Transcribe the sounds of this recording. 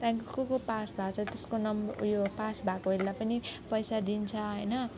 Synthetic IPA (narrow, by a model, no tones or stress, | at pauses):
t̪ãŋkokokopasbʱat͡sʰʌt̪eskonʌmjopasbʱakoɦellapʌnipʌjsad̪int͡sʰʌɦʌjnʌ